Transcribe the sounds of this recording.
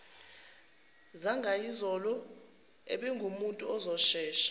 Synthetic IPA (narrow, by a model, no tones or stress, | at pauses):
zaŋɡʱaizɔlɔ | ḛɓɛŋɡʱumuntʼuɔzɔʃɛːʃḁ